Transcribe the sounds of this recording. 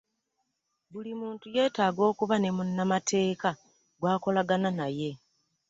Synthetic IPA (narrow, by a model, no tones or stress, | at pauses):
bulimuːntuje̞ːtaːɡo̞ːkuβane̞munːamatʰe̞ːka | ɡwaːko̞laɡananaje̞